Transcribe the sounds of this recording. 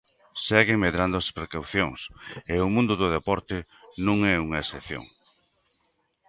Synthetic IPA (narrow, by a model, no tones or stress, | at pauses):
sɛɣeŋmeðɾand̪ʊaspɾekawθjoŋseʊmũnd̪ʊðʊðepɔɾt̪ɪ | nũŋɛuŋɐeseθjo̰ŋ